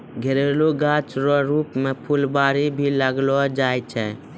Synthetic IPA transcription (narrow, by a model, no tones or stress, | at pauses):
ɡʱeɾeːloɡaːt͡ʃɾɔɾuːpmẽpʰulbaːɾibʱiləɡlɔd͡ʒaːjt͡ʃʰɛ